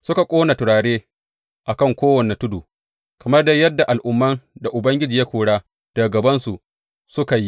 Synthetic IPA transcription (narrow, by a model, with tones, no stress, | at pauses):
sʊ˦ka˨kʷʼoː˦na˨tʊ˨ɽaː˨ɽeː˦ | ʔa˨kɐ˦˨ŋkʷoː˦wɐ˨ne˨tʊ˦duː˨ | kɐ˨mɐ˦rda˦jɐ˦dːa˨ʔa˨lʔʊ˨mːɐ˦nda˨ʔʊ˨bɐ˦ŋɡʲɪ˦d͡ʒiː˨ja˦kʷoː˨ɽaː˦ | d̥aː˨ɡɐ˨bɐ˦nsu˨ | sʊ˦ka˨ji˦